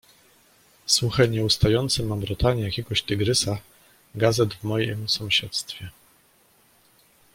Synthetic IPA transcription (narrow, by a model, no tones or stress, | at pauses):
swuxɛɲɛust̪ajɔnt̪sɘmambɾɔt̪aɲɛjakʲɛɡɔɕt̪ɘɡɾɘsa | ɡazɛd̪vmɔjḭmsɔ̃w̃ɕɛt̪st̪fʲjɛ